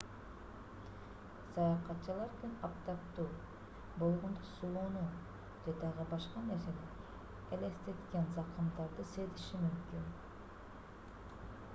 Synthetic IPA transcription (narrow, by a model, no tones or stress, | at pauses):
sɑjɑqɑt̪t͡ʃɯlˠɑɾk̪enɑpt̪ɑpt̪uː | bo̞lˠʁond̪usulˠonu | d͡ʒed̪ɑʁɯbɑʃqɑne̞ɾse̞ne | elest̪et̪kʲe̞nzɑqɯmd̪ɑɾd̪ɯse̞t̪iʃimymkyn